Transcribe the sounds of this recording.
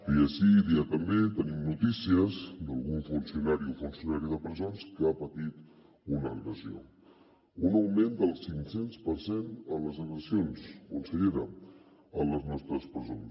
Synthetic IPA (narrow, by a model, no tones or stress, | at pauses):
iəʃiðiət̪əmbet̪ənimnut̪isiəzd̪əlˠɣuɱfunsiunaɾiɔfunsiunaɾiðəpɾəzonskəapət̪it̪ | unəɣɾəzio̰ | unəwmend̪əlˠsiŋsenspəɾsenələzəɣɾəzionskunsəʎeɾə | ələznɔst̪ɾəspɾəzon